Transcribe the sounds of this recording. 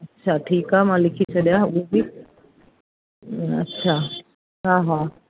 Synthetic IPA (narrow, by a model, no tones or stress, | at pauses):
ətːɕʰaʈʰiːkɦamalikʰit͡ʃʰəd̪jaubi | ə̰tːɕʰa | ɦãːɦa